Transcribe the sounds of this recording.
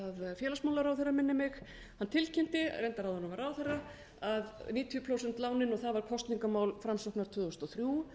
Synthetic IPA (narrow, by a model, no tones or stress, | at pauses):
aðfjɛːlasmawlaɾawθɛrːamɪnːɪmɪx | hanːt̪ʰɪlcʰɛm̥t̪ɪ̰rejnt̪aɾawðhɔnːʏmvaɾawθɛrːa | aðniːt̪ʰjʏpʰɾowsɛnt̪laːwnɪnɔɣθaðvaɾ̥kʰɔst̪niŋkamaːwlfɾamsɔhknaɾ̥t̪ʰʏːðost̪ɔθɾju